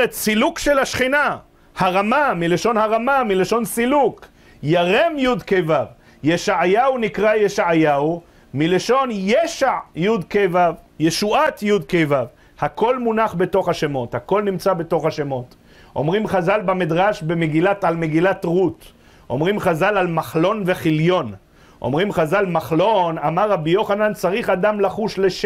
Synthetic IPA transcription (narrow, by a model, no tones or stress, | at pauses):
et̪silukʃe̞laʃχina | haʁamamileʃo̞nhaʁamamileʃo̞nsiluk | jaʁemjud̪kejvav | jeʃaʕajaunikʁajeʃaʕajau | mileʃo̞njeʃaʕjud̪kejvavje̞ʃuʔat̪jud̪kejvav | hako̞lmunaχbe̞to̞χhaʃemo̞t̪hako̞lnimt͡sabe̞to̞χhaʃemo̞t̪ | ʔo̞̰mʁimχazalbamid̪ʁaʃbemeɡilatalmeɡilat̪ʁut | ʔo̞̰mʁimχazalalmaχlo̞nveχiljo̞n | ʔo̞̰mʁimχazalmaχlo̞namaʁːabijo̞χanant͡saʁiχad̪amlaχuʃleʃ